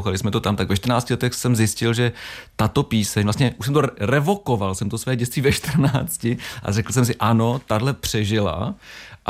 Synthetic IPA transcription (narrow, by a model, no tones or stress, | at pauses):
xalɪsmɛt̪o̞t̪amt̪aɡvɛʃt̪rnaːt͡scɪlɛt̪ɛxsɛmzjɪscɪlʒɛt̪at̪o̞piːsɛɲvlast̪ɲɛʔuʃs̬ɛmt̪oɾɛvo̞ko̞valsɛmt̪osvɛːɟɛst̪viːvɛʃt̪r̩naːt͡scɪʔa̰rɛkl̩s̬ɛms̬ɪʔano̞t̪adlɛpr̝̥ɛʒɪla̰ʔ